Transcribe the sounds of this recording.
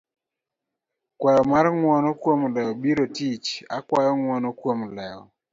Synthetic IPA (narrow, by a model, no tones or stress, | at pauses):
kwɛjɔmaɾŋwɔnɔkwomlɛɔbiɾotit͡ʃakwajɔŋwɔnɔkwomlɛɔ̰